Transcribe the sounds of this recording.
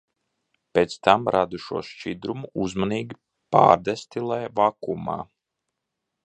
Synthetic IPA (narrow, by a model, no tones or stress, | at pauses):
pet̪st̪amɾʔad̪uʃuɔʃt͡ʃid̪ɾumuuzmaniːɡʲi | pa̰ːɾd̪ɛst̪ilˠajvakuma̰ː